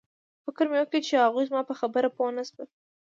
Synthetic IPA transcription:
fɪkəɾmewəket͡ʃehaɣujzmɑpəxabəɾaponasbat̪

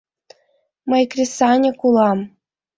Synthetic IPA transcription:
mɤjkrʲisɑnʲɤ̆kulˠɑm

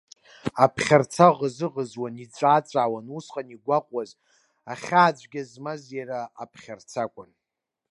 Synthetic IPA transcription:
apʰχʲart͡sʰaʁəzɨʁəzwanit͡sʷʼaːt͡sʷʼaːwanusqʼaniɡʷaqʷʼwaz | aχʲaːd͡ʒʷɡʲazmazjaɾaa̰pʰχʲart͡sʰakʷʰʼan

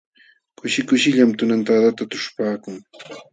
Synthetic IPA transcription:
kʊʃɪkʊʃɪʎamt̪ʊnant̪ad̪at̪at̪ʊ̥ʂpaːkʊŋ

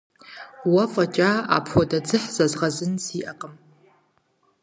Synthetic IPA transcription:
wɐfʼɐt͡ʃʼaa̰ːpʰxʷɔdɐd͡zɨħz̥ɐzʁɐzɨnsiːʔɐqʼəm

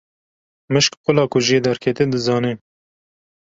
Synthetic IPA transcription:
mɨʃkqʊlɑːkʊʒied̪ɛɾkʰɛt̪ed̪ɨzɑːne

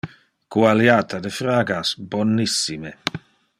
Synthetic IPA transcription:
kwaljaːt̪ʰad̪efɾaːɡasbɔnːisːime

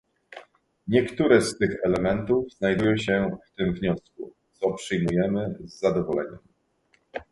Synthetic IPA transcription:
ɲɛkt̪uɾɛst̪ɘxɛlɛmɛnt̪uvz̥najd̪ujɔ̃ɕɛft̪ɘmvɲɔskut̪sɔpʂɘjmujɛmɘzːad̪ɔvɔlɛ̰ɲɛ̰m

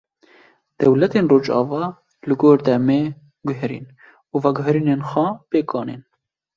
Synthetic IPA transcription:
d̪̥ɛwlɛt̪eːnroːd͡ʒɑ̰ːvɑː | lɨɡoːɾd̪ɛmeː | ɡʊɦɾḭːn | uːvɛɡʊɦɾiːneːnxʷɛpeːkʰɑːnḛn

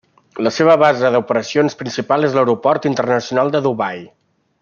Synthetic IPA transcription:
ləseβ̞əβ̞azəðupəɾəsionspɾinsipalˠezləwɾupɔrt̪int̪ərnəsiunalˠd̪əðuβaj

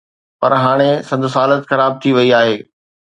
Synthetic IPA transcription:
pɐɾɦaːɽ̃esɐ̃nd̪sɦaːlət̪xɐɾaːb̚t̪ʰiʋɐiaːɦeː

